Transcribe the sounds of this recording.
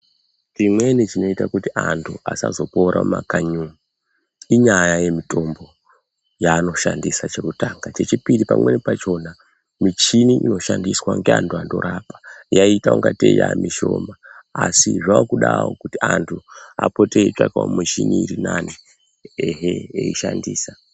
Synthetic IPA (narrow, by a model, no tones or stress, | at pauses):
t͡ʃimwe̞net͡ʃino̞itakutiʔantʰuasazo̞po̞ɾʔamakaɲuu | iɲajaje̞mitʰo̞mbo̞ | jaːno̞ʃandisat͡ʃe̞kutaːŋɡat͡ʃe̞t͡ʃipiɾipamwe̞nepat͡ʃo̞na | mit͡ʃiniʔino̞ʃandiswaŋɡeantʰuando̞̰ɾaːpḁjaitauŋɡatejamiʃo̞̰ːmaasiʐaakuɗao̰kutiantʰuapo̞teet͡ʂakao̰mit͡ʃiniːrinani | eɦeeiʃandiːsa